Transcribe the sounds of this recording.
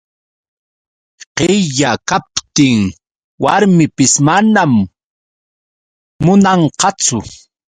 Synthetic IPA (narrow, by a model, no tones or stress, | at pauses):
qeʎakap̚t̪ɪŋ | waɾmɪpɪsmanam | ʊnɑɴqɑt͡sʊ